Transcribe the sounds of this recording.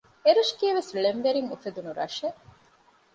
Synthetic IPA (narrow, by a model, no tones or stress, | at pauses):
eɾuʃkiːʋesɭemʋeɾiŋufed̪unuɾɐ̰ʃeʔ